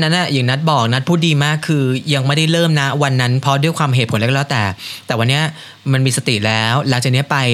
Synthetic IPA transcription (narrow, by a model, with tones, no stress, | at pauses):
nːa˦˥nʔa˨˩jɯ˨˩ŋna˦˥t̪̚bɔː˨˩k̚na˦˥t̪̚pʰuː˥˩diː˧maː˥˩kʰːɯː˧ja˧ŋma˥˩jda˥˩jlɤː˥˩mna˦˥wa˧nːa˦˥npʰɾɔ˦˥du˥˩jkʰwaː˧mɦe˨˩t̪̚pʰo˩˦llɛː˦˥wt̪ɛː˨˩t̪ɛː˨˩wa˧nːi˦˥ɐ | ma˧nmiː˧sa˧t̪i˨˩lɛː˦˥wlaː˨˩˦ŋt͡ɕaː˨˩ni˦˥ɐ˥pa˧j